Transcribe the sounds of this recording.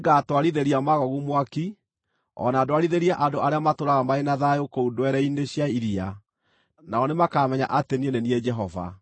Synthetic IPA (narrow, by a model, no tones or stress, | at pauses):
ɡatwaɾiðeɾiamaɣɔɣumwaki | ɔ̰naːdoaɾiðeɾiaʔandoʔaɾeamatoɾaɣamaenaðajokoudwɛɾɛineɕjaiɾia | naɔnemakamɛɲa̰ʔatenieneniɛd͡ʒɛɦɔva̰